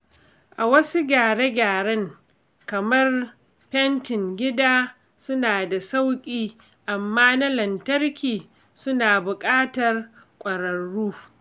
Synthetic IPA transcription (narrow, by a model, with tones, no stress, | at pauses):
ʔa˨wɐ˦su˦ɡʲaː˨ɽe˦ɡʲaː˨ɽɛ˦ŋ | kɐ˨mɐ˦r | pɛ˦ntɪ˨ŋɡʲɪ˦daː˦ | sʊ˦naː˨da˨sa˦wkʲʼiː˦ | ʔa˨mːaː˦na˦lɐ˨ntɐ˦rkʲiː˨ | sʊ˦naː˨bʊ˨kʼaː˦tɐ˨r | kʷʼɐ˨ɾɐ˨ɽːuː˦